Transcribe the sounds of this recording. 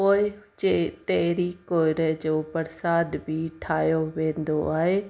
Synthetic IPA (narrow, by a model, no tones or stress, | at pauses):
oːɪʊt͡ɕet̪ɐɦɪɾikoːɪɾəd͡ʑoːpɐɾsaːd̪bʱiʈʰaːjoʋẽːnd̪oaːɦeː